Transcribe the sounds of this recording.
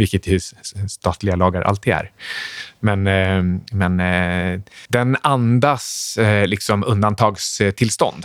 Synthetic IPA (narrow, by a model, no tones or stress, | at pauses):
vɪkːət̪jɛst̪ɑːt̪lɪɡalɑːɡaɾʔa̰lt̪ʰɪæ̰ɾ | mɛn | mɛn | d̪ɛnand̪aslɪksɔmɵnd̪ant̪ʰɑːɡst̪ʰɪlst̪ɔ̰nd̪